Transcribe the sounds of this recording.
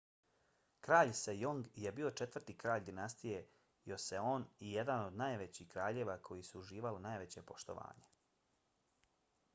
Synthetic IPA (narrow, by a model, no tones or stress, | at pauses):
kɾaːʎsejoŋɡje̞bio̞t͡ʃe̞t̪ʋr̩t̪ikɾaːʎd̪inast̪ije̞ | jo̞seo̞ːnije̞d̪ano̞d̪naːjʋet͡ɕiːhkɾaːʎeːʋakʰo̞jisuuʒiːʋalinaːjʋet͡ɕe̞po̞ʃt̪o̞̰ʋa̰ːɲe̥